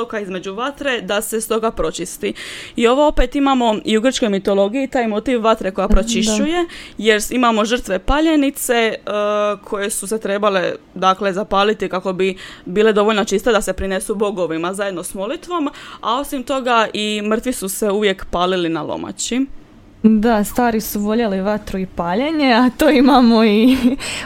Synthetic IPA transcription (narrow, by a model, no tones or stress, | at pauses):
okaizme̞d͡ʑuʋat̪ɾe̞d̪ase̞st̪o̞ɡapɾo̞t͡ʃist̪iio̞ʋo̞o̞pe̞t̪imaːmo̞iuɡr̩t͡ʃko̞jmit̪o̞lo̞ɡijit̪aːjmo̞t̪iːʋːat̪ɾeko̞japɾot͡ʃiʃt͡ʃuje̞je̞ɾimamo̞ʒr̩t̪ʋe̞paʎe̞nit̪se̞əkʰo̞je̞suse̞t̪ɾe̞bale̞d̪akle̞zapaːlit̪ikako̞bibiːle̞d̪o̞ʋo̞ʎnot͡ʃist̪ed̪ase̞pɾine̞subo̞ɡo̞ʋimazaje̞d̪no̞smo̞lit̪ʋo̞mao̞simt̪o̞ɡaʔimr̩t̪ʋisuse̞uʋje̞kpaːlilinalˠo̰mʔa̰t͡ɕi | d̪ast̪aːɾisuʋo̞ʎeliʋat̪ɾuipaːʎeɲeat̪oːimamoi